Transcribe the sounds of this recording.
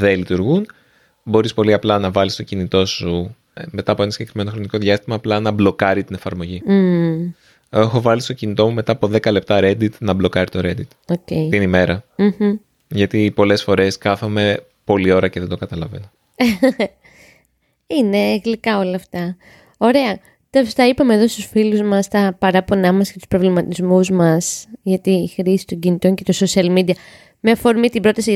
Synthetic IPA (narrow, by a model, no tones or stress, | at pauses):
ðe̞lit̪uɾɣun | bo̞ɾispo̞liɐplɐnɐvɐlist̪o̞cinit̪o̞su | me̞t̪ɐːpoe̞nɐsiɟe̞kɾime̞no̞xɾo̞niko̞ðʝjɐst̪imɐːplɐnɐblo̞kɐɾit̪ine̞fɐɾmo̞ʝi | exo̞vɐlist̪o̞cinit̪o̞mume̞t̪ɐːpo̞ðe̞kɐle̞p̚t̪ɐɾe̞d̪it̪nɐblo̞kɐɾit̪o̞ɾe̞d̪it̪ocejt̪inime̞ɾɐm̩h̩ | ʝɐt̪ipo̞le̞sfo̞ɾe̞skɐθome̞ | po̞lio̞ɾɐceðed̪okɐt̪ɐlɐ̰vḛno | ine̞ːɣlikɐo̞lɐft̪ɐ | o̞ɾe̞ɐ | t̪ost̪ɐipɐmeðo̞st̪usfiluzmɐst̪ɐpɐɾɐpo̞nɐmɐscet̪u̥spɾo̞vlimɐt̪izmuzmɐsʝɐt̪iːxɾisi̥t̪o̞ɲɟinit̪o̞ɲce̞t̪o̞sosiɐlmid̪iɐ | meɐfo̞ɾmit̪ibɾo̞t̪ɐsi